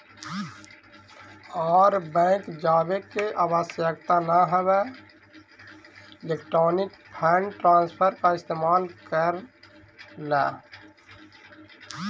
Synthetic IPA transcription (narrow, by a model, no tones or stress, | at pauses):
ɔːɾbɛ̃ːkd͡ʒaːbekːeʔaːwəsjəkt̪anaɦɛwɛ | ɪleːk̚ʈɾɔːnɪkpʰɛːɳɖʈɾãːnspʰəɾkaɪst̪eːmaːlkəɾ | lɛː